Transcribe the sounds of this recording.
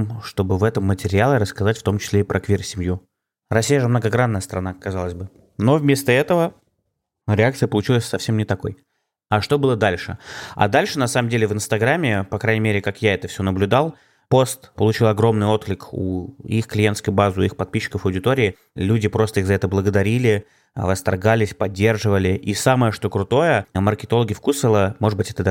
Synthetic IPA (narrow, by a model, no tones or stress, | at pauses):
mʂt̪o̞bɨvɛt̪əmːətʲɪɾʲɪalˠʲɪɾəskɐzatʲft̪o̞mt͡ɕɪ̥sʲlʲeɪpɾʔɐkvʲirsʲɪmju | ɾɐsʲijəʐɨmnəɡɐɡɾanːəjəst̪əɾɐnakɐzalˠəzʲbɨ | no̞vmʲe̞st̪əɛt̪əvə | ɾʲɪak̚t̪sɨjəpəlˠʊt͡ɕilˠəsʲsɐfsʲemnʲɪt̪ɐko̞̰j | aʂt̪o̞bɨlˠəd̪alʲʂɨ̰a̰d̪alʲʂɨnɐsaməmdʲelʲɪvɨnst̪ɐɡɾamʲːɪpɐkɾajnʲɪmʲeɾʲɪkakjaɛt̪əfsʲonəblʲʉd̪alˠ | po̞st̪pəlˠʊt͡ɕilˠɐɡɾo̞mnɨjo̞t̪klʲɪkṵixklʲɪjent̪skʊjʊbazʊixpɐt̪̚pʲiɕːɪ̥kəfɐwdʲɪt̪oɾʲɪː | lʲudʲɪpɾo̞st̪əiɣzɐɛt̪əblˠəɡəd̪ɐɾʲilʲɪ | vəst̪ɐrɡalʲɪsʲpɐdʲːe̞rʐɨvəlʲɪʔisaməjəʂt̪o̞kɾʊt̪o̞jəmərkʲɪt̪o̞lˠəɡʲɪfkusəlˠəmo̞ʐɨd̪bɨtʲɛt̪əd̪a